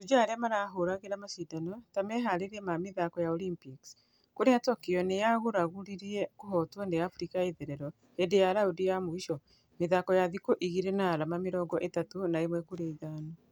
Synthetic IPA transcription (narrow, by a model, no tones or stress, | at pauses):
tud͡ʒaːɾeamaɾaːɦoɾaɣeɾamasidanɔtamɛɦaɾeɾɛmameðakɔjaɔlimpiks | koɾeatɔkeɔnejaɣuɾaɣuɾiɾiɛkoɦɔtwɔneafɾikaeðɛɾɛɾɔ | endejaɾaudijamoiʃɔ | meðakɔjaðikoʔiɣiɾenaːɾamameɾɔːɡɔʔetatonaemwɛkuɾeːɣaːna